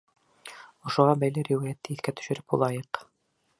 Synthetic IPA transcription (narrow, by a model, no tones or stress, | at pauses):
ŏʃŏʁɑbæjlɘɾiwæjæt̪ːɘiθkæt̪ɵ̥̆ʃɘ̆ɾɘp̚bulˠɑjɤq